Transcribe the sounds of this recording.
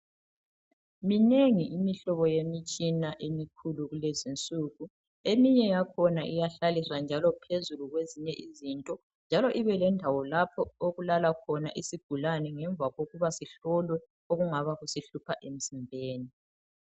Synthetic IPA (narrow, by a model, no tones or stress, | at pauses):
mineŋiʔimiɬɔβɔjemit͡ʃʼinaʔemikʰuluɣulezint͡sʼuːɣu | emiɲɛjakʰɔnaʔijaɬalisand͡ʒʱalɔpʰezuluɣweziɲɛʔizintʼɔ | nd͡ʒʱalɔʔiβɛlɛndʱawɔlapʰɔoɣulalakʰɔna̰ʔisiɡ̥ʱulanɛŋɛɱvaɣoɣuβasiɬɔlwɛ | oɣuŋaβaɣusiɬupʰaʔem̩zimbʱeːni